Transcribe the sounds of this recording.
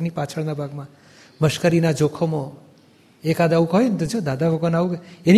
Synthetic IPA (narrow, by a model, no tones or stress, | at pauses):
nipat͡ʃʰəɭnabʱaɡmã | məʃkəɾinad͡ʒokʰomõ | ekad̪aʋũkɔɦnt̪od͡ʒod̪ad̪abʱəɡənaʋuɡeni